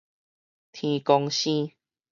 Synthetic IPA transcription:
t̪ʰĩ˨˧kɔ˧ŋɕĩ˦

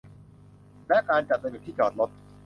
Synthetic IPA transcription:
lɛ˦˥ʔkaː˧nt͡ɕa˨˩t̪̚sa˧ju˨˩t̪ʰiː˥˩t͡ɕaː˨˩t̪̚lo˦˥t̪̚

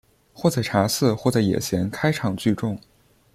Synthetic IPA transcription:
xwɔ˥˩t͡sa˥˩ɪʈ͡ʂʰa˧˥sɹ̩˥˧xwɔ˥˧t͡sa˥˩ɪjɛ̰˨˩t͡ɕʰjɛ˧˥nkʰa˥ɪʈ͡ʂʰɑ˨˩ŋt͡ɕy˥˧ʈ͡ʂʊ˥˩ŋ

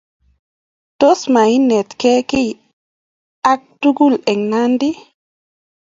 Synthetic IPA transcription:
to˦sma˨i˦nɛ˨t̪kɛ˦ki˦j | a˦k̚tu˦ɡu˦˨lɛ˨ŋna˦ndi˦

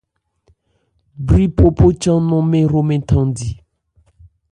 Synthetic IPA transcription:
bɾi˦pʰo˦pʰo˦t͡ʃã˦nɔ̃˦mẽ˦ɾo˦mẽ˦tʰã˦di˨

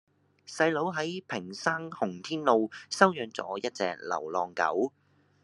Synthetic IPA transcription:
sɐ˧jlo˨˥wɦɐ˨˥jpʰɪ˨˩ŋsaː˥ŋhʊ˨˩ŋt̪ʰiː˥nlo˧wsɐ˥wjœː˧ŋt͡sɔ̰ː˨˥jɐ˥t̚t͡sɛ̰ː˧k̚lɐ̰˨˩wlɔː˧ŋkɐ̰˨˥w

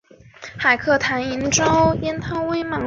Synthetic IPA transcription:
xa˨˩ɪkʰɤ˥˩t̪ʰa˧˥ni˧˥nʈ͡ʂɑ˥ʊjɛ˥nt̪ʰɑ˥ŋwe˥ɪmɑ˧˥

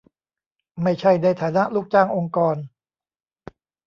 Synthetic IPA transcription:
ma˥˩jt͡ɕʰa˥˩jna˧jt̪ʰaː˩˦na˦˥ʔluː˥˩k̚t͡ɕaː˥˩ŋʔo˧ŋkɔː˧n

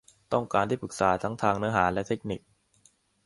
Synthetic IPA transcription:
t̪ɔ˥˩ŋkaː˧nt̪ʰiː˥˩pʰɯ˨˩k̚saː˩˦t̪ʰa˦˥ŋt̪ʰaː˧ŋnɯ˦˥ɐɦaː˩˦nlɛ˦˥t̪ʰe˦˥k̚ni˨˩k̚

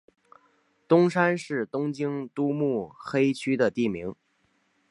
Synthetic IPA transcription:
t̪ʊ˥ŋʂa˥nʂɻ̩˥˩t̪ʊ˥ŋt͡ɕi˥ŋt̪u˥mu˥˩xe˥ɪt͡ɕʰy˥d̪ə˨t̪i˥˩mi˧˥ŋ

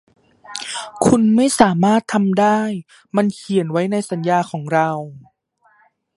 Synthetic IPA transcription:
kʰu˧nma˥˩jsaː˩˦maː˥˩t̪ʰːa˧mdaː˥˩j | ma˧nkʰi˨˩˦ənwa˦˥jna˧jsa˩˦njaː˧kʰɔː˩˦ŋɾa˧w

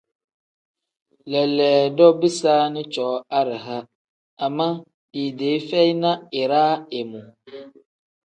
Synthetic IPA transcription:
lɛ˨lɛː˨dɔ˦bi˦saː˦nɪ̃˦t͡ʃɔː˨˦a˦ɾɪ˨ɦa˦ | a˨mːã˦ | di˨deː˨˦fɛ˦i˦nã˦ɪ˨ɾaː˦ɛ˨mʊ̃˨

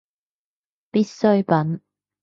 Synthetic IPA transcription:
pi˥t̚sɵ˥ɥpɐ˨˥n

